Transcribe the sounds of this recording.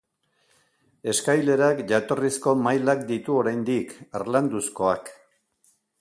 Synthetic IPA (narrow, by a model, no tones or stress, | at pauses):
e̞skajle̞ɾakʝat̪o̞risko̞majlakd̪it̪uo̞ɾajnd̪ikaɾland̪usko̞ak